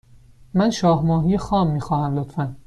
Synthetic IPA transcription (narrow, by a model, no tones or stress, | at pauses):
mænʃɒːhmɒːɦiːjexɒːmːiːxɒːhæmlot̪fæn